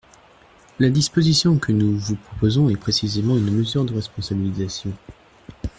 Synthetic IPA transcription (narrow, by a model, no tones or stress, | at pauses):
lad̪ispozisjɔ̃kʰənuvupχɔpozɔ̃ɛpχesizemɑ̃ynməzyʁd̪əʁɛspɔ̃sabilizasjɔ̃